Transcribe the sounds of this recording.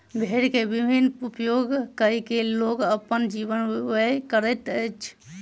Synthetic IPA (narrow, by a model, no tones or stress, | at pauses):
bʱeɾkebibʱinupjoɡkəikeloɡəpənd͡ʒibənəjkəɾət̪ət͡ʃʰ